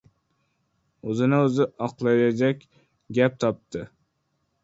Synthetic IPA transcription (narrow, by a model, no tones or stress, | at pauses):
ɵzɪnɪɵzɪʔɒqlˠajad͡ʒakʲ | ɡʲap̚t̪ʰɒp̚t̪ʰɪ